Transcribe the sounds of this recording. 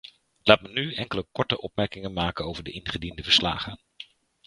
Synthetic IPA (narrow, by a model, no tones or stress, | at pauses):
laːtmənyɛŋkələkɔɹtəʔɔpmɛɹkɪŋənmaːkənowvəɹdəʔɪnχədindəvəɹsla̰ːχən